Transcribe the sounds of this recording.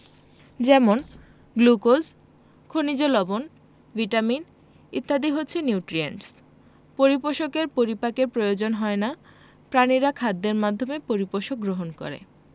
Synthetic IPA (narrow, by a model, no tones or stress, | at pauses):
d͡ʑɛmon | ɡlukoz | kʰonid͡ʑolɔbon | viʈamin | it̪ːad̪iɦotːɕʰenuwʈɾiḛɳʈs | poɾipoʃokeɾpoɾipakeɾpɾojod͡ʑonɦɔena | pɾaniɾakʰad̪ːeɾmad̪ʱːomepoɾipoʃok̚ɡɾoɦonkɔ̰ɾḛ